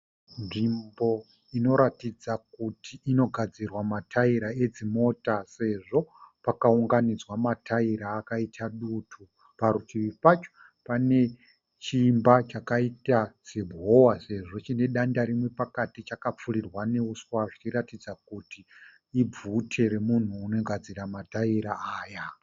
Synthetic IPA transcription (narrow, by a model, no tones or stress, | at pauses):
nʐimbo̞ | ino̞ɾatid͡zak̚utiːno̞ɡʱad͡zirwamatʰaiɾae̞d͡zimo̞tase̞ʐo̞pakauŋɡanid͡zwamatʰaiɾaːkaitʰaɗutʰu | paɾutʰiʋipat͡ʃo̥ | pane̞ | t͡ʃimbat͡ʃakaitat͡sebʱowase̞ʐo̞t͡ʃine̞ɗandaɾimwe̞pakatit͡ʃakap͡furirwane̞uswaʐit͡ʃiɾatid͡zakuti | ib͡vutʰe̞ɾe̞mun̤uːno̞ɡʱad͡ziɾamataiɾaaːja